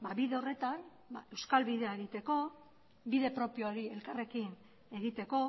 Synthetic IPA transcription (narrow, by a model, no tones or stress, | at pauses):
baβiðe̞o̞re̞t̪an | ba̰e̞wskalβiðe̞aeɣit̪e̞ko̞ | biðe̞pɾo̞pio̞aɾie̞lkare̞kin | e̞ɣit̪e̞ko̞